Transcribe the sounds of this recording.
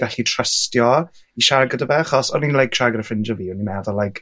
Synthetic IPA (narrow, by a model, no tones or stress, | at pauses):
ɡ̥aɬitʰrəstjɔ | iʃaɡədəvɛχɔsɔninlˠajkʃaɡəɾəfrɪnd͡ʒɔviːʊnimɛðɔlajkʰ